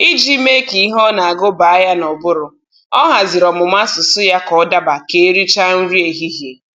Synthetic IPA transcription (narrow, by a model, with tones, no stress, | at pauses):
i˦d͡ʒi˦me˦ki˨˦ɦɔ˦na˨a˨ɡo˦ba˨a˦ja˦nɔ˨bʊ˦ɾʊ˨ | ɔ˦ɦa˨zɪ˨ɾɔ˨mʊ˨ma˦sʊ˨sʊ˦ja˦kɔ˨ɔ˦da˦ba˨ke˨˦ɾi˦t͡ʃa˦n̩˦ɾi˦e˨ɦi˦ɦje˨